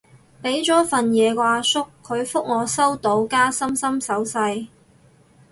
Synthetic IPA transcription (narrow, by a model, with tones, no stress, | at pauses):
pe˨˥jt͡sɔː˨˥fɐ˨njɛː˨˧kʷaː˧sʊ˥kʰːɵ˨˧ɥfʊ˥k̚ŋɔː˨˧sɐ˥wt̪o˨˥wkaː˥sɐ˥msɐ˥msɐ˨˥wsɐ˧j